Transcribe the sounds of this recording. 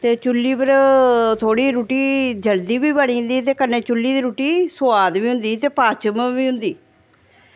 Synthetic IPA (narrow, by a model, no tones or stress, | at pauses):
t̪eːt͡ʃʊlːiːpəɾt̪ʰoːɽiːɾuːʈiːd͡ʒəld̪iːbiːbəɳiːɦʊ̃nd̪iːt̪eːkənːeːt͡ʃʊlːiːd̪iːɾuːʈiːsʊaːd̪ʋiːɦʊ̃nd̪iːt̪eːpaːt͡ʃəmʋiːɦʊnd̪iː